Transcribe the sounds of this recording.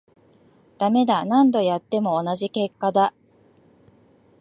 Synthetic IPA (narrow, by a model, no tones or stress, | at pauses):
d̪̥ame̞d̪anãnd̪o̞jat̪ːe̞mo̞ːnaʑike̞kːad̪a